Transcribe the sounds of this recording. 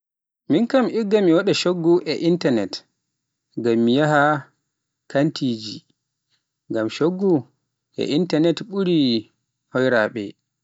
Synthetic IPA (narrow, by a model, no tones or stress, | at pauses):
minkamʔiɡːamiwaɗɛʃoɡːuʔɛʔintanɛt | ɡamːijaɦa | kantʰid͡ʒi | ŋɡamʃoɡːu | ʔɛ̰ʔintanɛtɓuɾi | hɔjɾaɓɛ̰